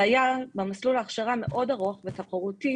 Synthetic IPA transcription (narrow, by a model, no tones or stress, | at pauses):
ajabemaslulaːχʃaʁame̞̰ʔo̞daʁoχvet̪apoʁuti